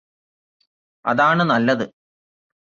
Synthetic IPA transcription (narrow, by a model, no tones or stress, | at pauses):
ɐ̰ðaːɳɨnɐlːɐðɨ